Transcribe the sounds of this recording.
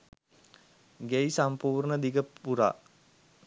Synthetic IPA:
ɡejsampuːrɳəd̪iɡəpuɾa̰

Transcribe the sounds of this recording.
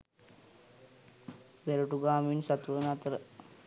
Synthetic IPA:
beɾuʈuɡaːminsat̪uʋənat̪əɾə

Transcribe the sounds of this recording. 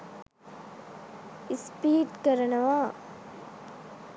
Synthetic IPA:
ispiːʈkɐɾɐnɐʋaː

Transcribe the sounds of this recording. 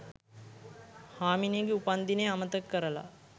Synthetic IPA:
haːmineɡeupand̪ineamət̪əkːəɾəla̰

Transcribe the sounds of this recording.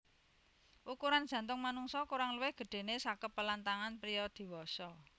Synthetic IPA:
ʔukuɾand̥ʒ̥ä̤nt̪ʊŋmanuŋsɔkuɾaŋlwɪhɡ̥ə̤ɖ̥e̤nesakəpːəlant̪aŋanpɾijɔd̪̥i̤wɔsɔ

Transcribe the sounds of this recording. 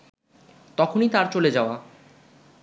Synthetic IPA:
t̪ɔkʰonit̪aɾt͡ɕoled͡ʑaoa

